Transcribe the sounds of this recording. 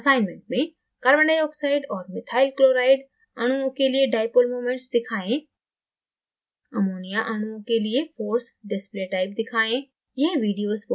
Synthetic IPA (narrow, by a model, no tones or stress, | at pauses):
saːɪnmẽɳʈ̚mẽ | kɐɾbə̃ɳɖəjɔːksaːɪɖɔːɾmɪt̪ʰaːɪlkloːɾaːɪɖ | ɐɽ̃uõkelieɖaːɪpolmoːmẽɳʈsd̪ɪkʰaːẽ | ɐmoːnijaʔɐɽ̃uõkeliefoːɾsɖɪspleʈaːɪp̚d̪ɪkʰaːẽ | jeɦʋiːɖijoːzb